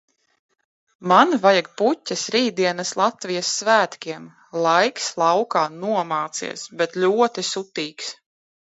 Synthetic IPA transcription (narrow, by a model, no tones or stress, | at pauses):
manvajaɡ̚putʲːɐsɾiːd̪iɛnɐslˠat̪vijasːvæːt̪kʲiɛm | lˠajkslˠɑwkaːnuɔmaːt̪sḭɛsbɛt̪lʲuɔt̪isut̪iːks